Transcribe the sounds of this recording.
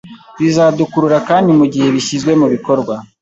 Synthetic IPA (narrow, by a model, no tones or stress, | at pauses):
βizadukuɾuɾakaːndimuɟihe̞βiçizɡwe̞muβiko̞ɾɡwa